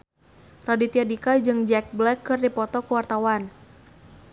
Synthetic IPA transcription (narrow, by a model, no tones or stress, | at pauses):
radit̪iadikad͡ʒɨŋd͡ʒɛk̚blɛkːɨrdipɔt̪ɔkuwart̪awan